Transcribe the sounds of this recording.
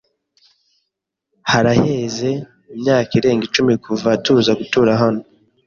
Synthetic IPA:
haɾaheze̞ | imɲaːkiɾe̞ːŋɡit͡ʃumikʰuvatuːzaɡutuːɾaɦano

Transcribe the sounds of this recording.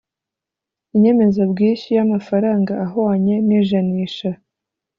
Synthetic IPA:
iɲe̞me̞zabɡiːnʃijamafaɾaːŋɡaːɦoaɲe̞niʒaniːʃa

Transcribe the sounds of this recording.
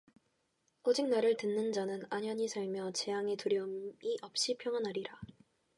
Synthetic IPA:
od͡ʑiŋ̚naɾɯɭtɯnːɯnd͡ʑanɯnaɲʌɲisʰaɭmjʌt͡ɕe̞jaŋe̞tuɾjʌɯmiʔʌp̚ɕ͈ipʰjʌŋɦanaɾiɾa

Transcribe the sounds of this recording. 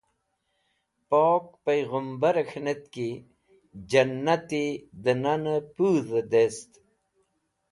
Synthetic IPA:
poːk̚pajɣəmbaɾxnet̪ki | d͡ʒanːat̪id̪ənanəpuːðəd̪est̪

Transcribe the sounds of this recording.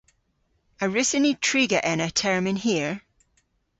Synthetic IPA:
əɹɪsənitʰɹ̥iɡəʔɪ̃nətʰɛɹmɪ̃nɦiəɹ

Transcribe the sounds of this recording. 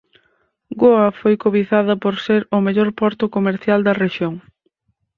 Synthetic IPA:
ɡoɐfojkoβiθaðɐpoɾseɾʊmeʎɔɾpɔɾt̪ʊkomeɾθjald̪ɐreʃjoŋ

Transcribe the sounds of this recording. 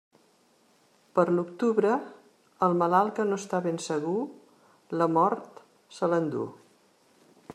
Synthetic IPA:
pəɾlukt̪uβɾə | əlˠməlalˠkənoəst̪aβensəɣ̞u | ləmɔɾt̪ | sələnd̪ṵ

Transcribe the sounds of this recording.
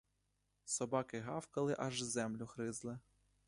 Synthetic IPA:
sɔbɑkɪɦɑwkɐlˠɪʔɐʒzɛmlʲʊxɾɪzlˠɪ

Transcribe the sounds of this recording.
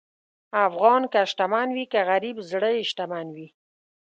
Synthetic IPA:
afɣɑnkaʃʈamanwikaɣaɾibzɽəɪʃʈ̪amanwi

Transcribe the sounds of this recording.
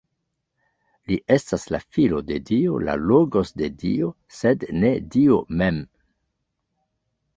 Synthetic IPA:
liʔe̞staslafilo̞de̞dio̰la̰loɡo̞sde̞dḭo | sedne̞diome̞m

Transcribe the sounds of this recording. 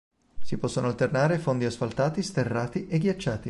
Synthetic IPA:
sipɔsːonoalt̪ernaːɾefond̪iasfalt̪aːt̪ist̪erːaːt̪iʔeɡjat͡ʃːaːt̪i

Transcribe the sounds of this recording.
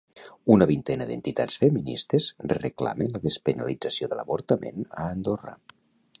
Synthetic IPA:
unəβint̪ɛnəd̪ḛnt̪it̪at͡sfəminist̪əzrəkla̰mənləðəspənalid͡zəsioðələ̰βoɾt̪əmḛnəːnd̪orə̰

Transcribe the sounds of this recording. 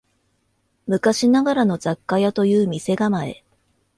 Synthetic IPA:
mɯ̟kaɕinaɡaɾano̞zakːajat̪o̞jɯ̟ːmʲise̞ɡamae̞̰

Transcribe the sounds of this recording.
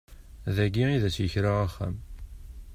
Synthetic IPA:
ðæɡiiðæsjəçɾaʁæχːæ̰m

